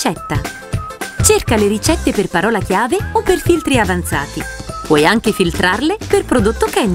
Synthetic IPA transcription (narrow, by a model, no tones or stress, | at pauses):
t͡ʃɛt̪ːa | t͡ʃerkaleɾit͡ʃɛt̪ːeperpaɾɔːlakjaːveopːerfilt̪ɾiavant̪saːt̪ipɔjaŋkefilt̪ɾarleperpɾod̪ot̪ːokɛn